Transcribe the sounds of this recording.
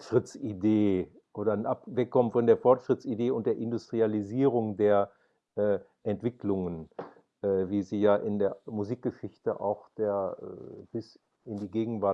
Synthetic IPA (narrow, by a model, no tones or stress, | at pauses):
ʃʁ̥ɪt͡sideː | ʔoːɾɐnʔapvɛkʰːɔmənfɔndeːɐfɔɐtʃʁ̥ɪt͡sideːʊnt̚d̥eːɐʔɪndʊstʁ̥ializiːʁʊŋdeːɐ | ʔɛː | ʔɛntv̥ɪklʊŋən | ʔɛːviːziːjaːʔɪndeːɐmuziːk̚ɡ̥əʃɪçtəʔa̰ʊxd̥eːɐɛ̰b̥ɪs | ɪndiːɡeːɡŋ̩vaɐ